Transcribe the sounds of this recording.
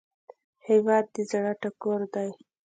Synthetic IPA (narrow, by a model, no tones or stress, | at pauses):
hewɑd̪̚ːizaɽaʈakoɾd̪aj